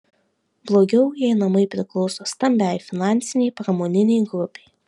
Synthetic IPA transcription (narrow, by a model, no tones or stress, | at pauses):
blˠoːɡʲɛʊjɛɪnɐmɐɪpʲɾʲɪklˠɒʊsoːst̪ɐmʲbʲæjfʲɪnɑnʲtsʲɪnʲɛɪpɾɐmoːnʲɪnʲɛɪɡɾʊpʲɛɪ